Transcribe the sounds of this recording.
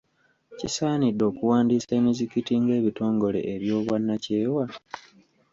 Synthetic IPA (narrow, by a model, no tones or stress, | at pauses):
cisaːnidːo̞ːkuwaːndiːseːmizikitiŋɡe̞ːβito̞ːŋɡo̞le̞̰ʔeβjo̞ːβwanːace̞ːwa